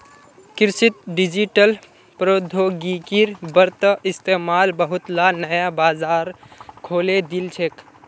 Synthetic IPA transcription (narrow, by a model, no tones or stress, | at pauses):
kɪɾsit̪̚ɖid͡ʒiʈəl | pɾod̪ʱoɡikiɾbəɾt̪əɪst̪emaːlbəɦʊt̪lanəjabaːzaːɾkʰoːled̪ilt͡ʃʰek